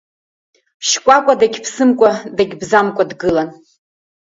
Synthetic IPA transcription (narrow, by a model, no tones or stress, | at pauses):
ʃkʷʼakʷʼadaɡʲpʰsɨmkʷʼadaɡʲbzamkʷʼadɡɨlan